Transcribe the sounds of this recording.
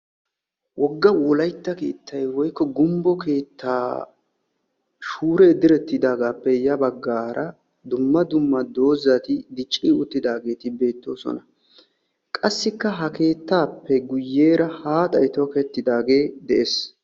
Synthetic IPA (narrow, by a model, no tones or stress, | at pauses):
wʔɔɡːɐwɔlɐjt̪ːɐke̞̰ːt̪ʰːɐjwɔjkːɔɡʊmbɔke̞ːt̪ʰːaː | ʃuːɾed̪ɪɾɛt̪ːɪd̪aːɡaːpːɛjɐbɐɡːaːɾʔɐ | d̪ʊmːɐd̪ʊmːɐd̪o̞ːzɐt̪ɪd̪ɪt͡ʃʼːiːʊt̪ːɪd̪aːɡe̞ːt̪ɪbe̞ːt̪ːo̞̰ːsɔ̰nɐ | kʼɐsːɪkːɐɦɐke̞ːt̪ːaːpːɛɡʊjːe̞ːɾɐhaːt̪ʼɐjt̪ɔkɛt̪ːɪd̪aːɡe̞ːd̪ɛʔeːs